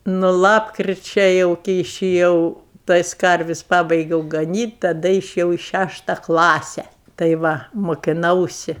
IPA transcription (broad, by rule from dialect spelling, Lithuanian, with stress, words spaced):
nʊ ˈlˠɑːpkrʲɪt͡ʃʲɛ ˈjɛʊ kʲɪ ɪʃʲɪˈjɛʊ ˈtɐɪs ˈkɐrʲʋʲɪsʲ ˈpɑːbɐɪɡʲɛʊ ɡɐˈnʲiːtʲ tɐˈdɐ ɪʃʲɪˈjɛʊ ɪ ˈʃʲæʃtɐ ˈklˠɑːsʲɛ tɐɪ ˈʋɐ moːkʲɪˈnɐʊsʲɪ